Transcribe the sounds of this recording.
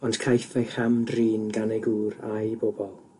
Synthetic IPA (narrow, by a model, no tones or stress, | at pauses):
ɔnd̥kʰajθɛjχamdriːnɡanɛɡuːɾajbobɔlˠ